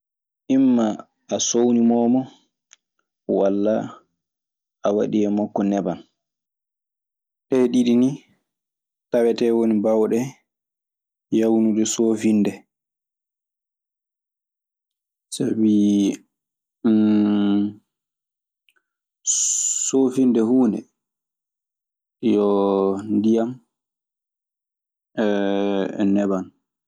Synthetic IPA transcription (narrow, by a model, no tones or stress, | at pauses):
ʔimːaː | sownimɔːmɔ | walːa | ʔawa̰ɗiɛmɔkːɔnɛban | ʔɛɗiɗini | taɓɛtɛwonibawɗɛ | jawnuɗɛsoːfinːdɛ | sabi | soːfindɛhuːndɛ̰ | jɔndijam | nɛban